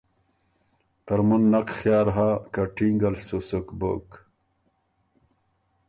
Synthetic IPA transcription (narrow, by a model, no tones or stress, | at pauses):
t̪ɐɾmunːɐqxjaːɾɦakɐʈiŋɡɐlsusukbo̰k